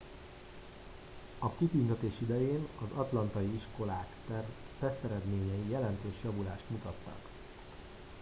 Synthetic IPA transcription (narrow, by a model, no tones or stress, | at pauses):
ɒkit̪ynt̪ɛt̪eːʃid̪ɛjeːnɒzɒt̪lɒnt̪ɒjiiʃko̞laːkt̪ɛr | pɛst̪ɛɾɛd̪meːɲɛjijɛlɛnt̪øːʃjɒvulaːʃt̪mut̪ɒt̪ːɒ̰k